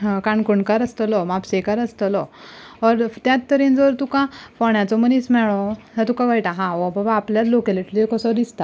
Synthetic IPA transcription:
ɦkãɳkuɳkaɾəst̪əlɔmapsekaɾəst̪əlɔɔɾt̪jat̪ːəɾĩnd͡zəʋəɾt̪ukãfɔɳjãt͡sɔmənismɛɭɔat̪ukãʋajʈaɦãɔbabaːpljat͡slokɛliʈlikɔsɔd̪ist̪a

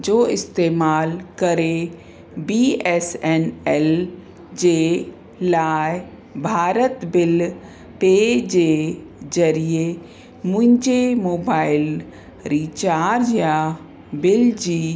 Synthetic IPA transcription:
d͡ʒoːɪst̪eːmaːlkəɾe | biɛsɛnɛl | d͡ʒeː | laːj | bʱaːɾət̪bɪl | t̪ed͡ʒe | zəɾie | mʊ̃ɦɪ̃ɲd͡ʒemoːbaːɪl | ɾiːt͡ʃaːɾd͡ʒja | bɪld͡ʒiː

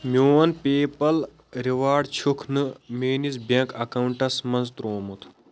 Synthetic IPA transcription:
mʲjoːɐnpeːpɐl | ɾiʋaːɖt͡ʃʰukʰnɨmeːnizbɐ̃ŋkɐkɐwuɳʈɐsmɐnzt̪ɾoːmut̪ʰ

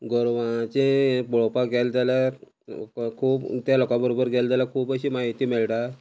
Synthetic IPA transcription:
ɡɔɾʋãt͡ɕebɔɭopaɡɛlt̪jala | kʰuːbt̪jalokãbəɾobəɾɡɛlt̪jalakʰuːbəɕiːmaɦit̪iːmeɭʈa

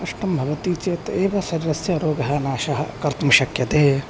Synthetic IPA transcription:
ɐʂʈɐmbʱɐʋɐt̪iːt͡ʃeːt̪eːʋɐsɐɾiɾɐsjɐɾoːɡɐɦɐnaːʃɐɦɐ̰kɐɾt̪mɐʃɐkjɐt̪eː

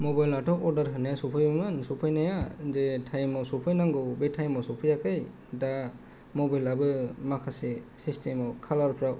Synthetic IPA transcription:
mɔbajlatʰɔʔɔɾdaɾɦɯnajasupʰɯjmansupʰɯjnajazetʰajmɔsupʰɯjnaŋɡɔwbetʰajmɔwsupʰɯjakʰɯj | da | mɔbajlabɯmakʰasesistʰemɔwkʰalaɾpʰɾaw

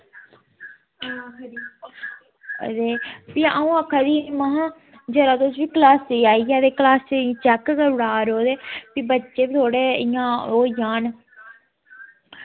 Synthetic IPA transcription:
kd̪i | d̪eːpiaũːəkʰːad̪iːmaɦãː | d͡ʒəɾaːt̪os̬ʋiːklaːst͡ʃeiaːijaːd̪eːklaːst͡ʃẽt͡ʃɛkkəɾʊɽaːɾoːd̪eːpiːbətːʃeːbit̪ʰoːɽeːɪjãːoːjaːn

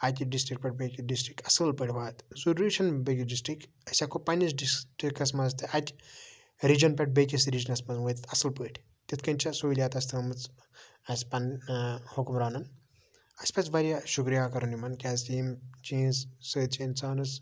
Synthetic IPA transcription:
at̪ʲɖisʈɾik̚pʲɐʈ̚bekʲiɖisʈɾikɐsɨlpəʈʰʲbaːt̪zuɾiʃɐnbɐɡʲiɖisʈɾik | ɐsʲakopɐnisɖisʈikɐsmɐzt̪ʰɨat̪ʲ | ɾid͡ʒɐnpɐʈ̚bekʲisɾid͡ʒɐnɐsmɐzʋɐt̪t̪ʰɐsɨlpəʈʰʲ | t̪it̪ʰkɐnʲt͡ʃʰɐsolʲjaːt̪ɐst̪ʰiɐmɨt͡s | ɐsʲpɐnhukumɾaːnɐn | ɐsʲpɐt͡sbɐɾjaʃukɾijaːkɐɾunimɐnkʲazimt͡ʃiːnzsɨːt͡ʃʰːnt͡saːnɨz

